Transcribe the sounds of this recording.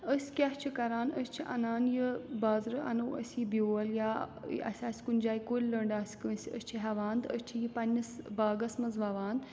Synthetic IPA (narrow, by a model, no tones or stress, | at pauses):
əsʲkʲɐɦt͡ʃʰikɐɾaːnəsʲt͡ʃʰiʔɐnaːnjibaːzɾɨɐ̰nɐwɐ̰sʲibʲoːɐljaːɐ̰sʲaːsʲkunʲd͡ʒaːjkolʲlɐɳɖaːsʲkɨsʲə̰st͡ʃʰiɦɛʋaːnd̪əsʲt͡ʃʰijipɐnʲːɐsbaːɡɐsmɐnzʋɐʋaːnd̪